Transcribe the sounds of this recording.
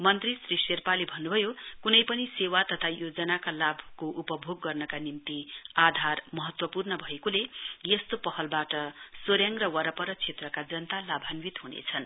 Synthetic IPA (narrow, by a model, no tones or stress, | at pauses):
mʌnt̪risriserpalebʱʌnːubʱʌjokunʌjpʌnisewat̪ʌt̪ʰajod͡zʌnakalabʱkoʔupʌbʱoɡːʌrnʌkanimt̪iad̪ʱarmʌɦʌt̪wʌpurnʌbʱʌekolejʌst̪opʌhʌlbaʈʌsoɾjaŋrʌwʌɾʌpʌɾʌt͡sʰet̪rʌkad͡zʌnt̪alabʱanwit̪ɦunḛt͡sʰʌn